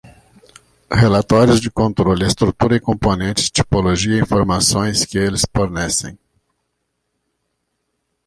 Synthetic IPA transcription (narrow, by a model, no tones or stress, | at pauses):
helat̪ɔɾjʊzd͡ʒɪkõnt̪ɾolɪɪst̪ɾut̪uɾɐɪkõmponẽnt͡ʃɪ̥t͡ʃi̥poloʒiɐĩfoɾmasõj̃skɪelɪsfoɾnɛsḛ̃j̃